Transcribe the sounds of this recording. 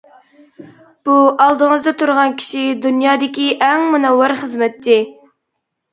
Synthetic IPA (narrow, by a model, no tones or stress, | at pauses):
b̥uɑlˠd̪əŋəzd̪ɛt̪ʰuɾʁɑnkʲʰi̥ʃid̪unjɑːd̪ɪkʲiʔɛŋmunɛwːɪɾχəzmɛt̪t͡ʃːɪ